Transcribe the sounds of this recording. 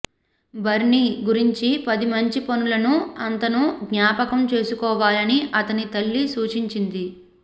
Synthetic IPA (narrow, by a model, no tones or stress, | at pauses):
bɐɾɳiːɡuɾiɲt͡ʃipɐd̪imɐɲt͡ʃiponulɐnuɐnt̪ɐnuɡɲaːpɐkɐmt͡ʃe̞ːsukɔːʋaːlɐniʔɐt̪ɐnit̪ɐlːisuːt͡ʃiɲt͡ʃind̪i